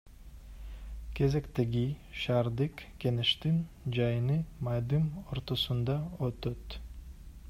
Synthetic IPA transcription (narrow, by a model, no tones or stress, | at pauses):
kʲʰe̞ze̞kt̪eɡʲiʃaːɾd̪ɯkkʲe̞neʃt̪in | d͡ʒɑjɯnɯmɑd̪ɯmoɾt̪o̞sund̪ɑøt̪øt̪